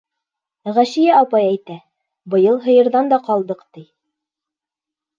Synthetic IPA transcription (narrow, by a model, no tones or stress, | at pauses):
ʁæʃijæɑpɑjæjt̪æ | bɤ̆jɤlˠɦɤ̆jɤ̆ɾðɑnd̪ɑqɑlˠd̪ɤqt̪ij